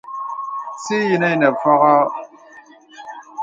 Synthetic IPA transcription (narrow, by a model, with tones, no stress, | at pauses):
si˦ji˨na˦jnɐ˨fa˦ʁa˦